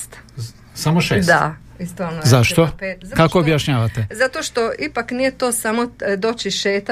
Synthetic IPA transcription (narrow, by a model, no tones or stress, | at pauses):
t̪ | samoʃeːsd̪a̰ | ist̪onzaʃt̪opekakoːbjaʃɲaːʋat̪ezat̪o̞ʃt̪o̞ʔipaknijet̪o̞ːsamo̞d̪o̞t͡ʃiʃeːt̪